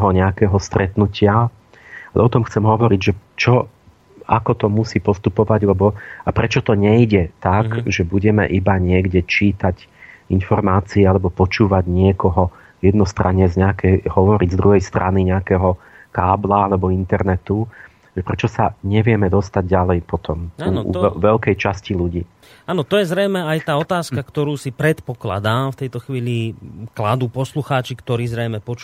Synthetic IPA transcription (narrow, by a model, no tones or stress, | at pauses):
ɦɔɲɛakɛːɦɔst̪ɾɛt̪nucɪa | alɛ̰ɔt̪ɔmxt͡sɛmɦɔʋɔɾiɟʒɛt͡ʃɔ | a̰kɔt̪ɔmusiːpɔst̪upɔʋaɟlɛbɔapɾɛt͡ʃɔt̪ɔɲɛiɟɛt̪akʒɛbuɟɛmɛ̰ʔibaɲɪɛɡɟɛt͡ʃiːt̪aɟ | infɔɾmaːt͡siːalɛbɔpɔt͡ʃuːʋaɟɲɪɛkɔɦɔ | jɛd̪nɔst̪ɾaɲːɛzɲɛakʰɛjɦɔʋɔɾiɟzd̪ɾuɦɛjst̪ɾʔaniɲɛakɛːɦɔ | kaːblaalɛbɔint̪ɛɾnɛt̪u | ʒɛpɾɛt͡ʃɔsaɲɛʋɪɛmɛd̪ɔst̪aɟɟalɛjpɔt̪ɔmaːnɔ̰ɛʋɛʎkɛjt͡ʃasciluɟiː | aːnɔt̪ɔjɛzɾɛjmɛajt̪aːɔt̪aːskakt̪ɔɾuːsipɾɛt̪pɔkla̰d̪aːmft̪ɛjt̪ɔxʋiːliklad̪uːpɔsluxaːt͡ʃikt̪ɔɾiːzɾɛjmɛpɔt͡ʃ